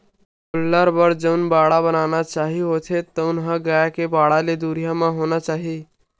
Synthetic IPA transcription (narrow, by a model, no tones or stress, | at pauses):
kʊlːaɾbəɾd͡ʒəʊnbaɽabənanat͡ʃaɦiɦot̪ʰet̪əʊnɦəɡaekebaɽaled̪uɾijamãɦonat͡ʃaːɦi